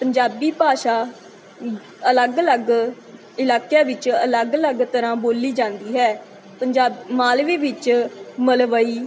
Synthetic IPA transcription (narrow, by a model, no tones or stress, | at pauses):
pəɲd͡ʒaːbiːpaːʃaː | ələɡələɡ | ɪlaːkjaːʋɪt͡ʃələɡələɡt̪əɾãːboːliːd͡ʒãːnd̪iːɦɛː | pəɲd͡ʒaːmaːlʋiːʋɪt͡ʃməlʋəiː